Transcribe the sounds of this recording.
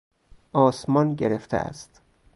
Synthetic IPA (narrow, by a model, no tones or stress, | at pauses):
ʔɒːsmɒːnɟeɾeft̪ʰḛʔæ̰st̪